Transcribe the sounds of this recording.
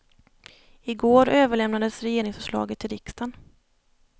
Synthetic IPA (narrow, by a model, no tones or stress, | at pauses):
ɪɡoːɾøːvəɭɛmnad̪əsɾɛjeːɾɪŋsfœʂɭɑ̰ːɡət̪ʰːɪlɾɪkst̪an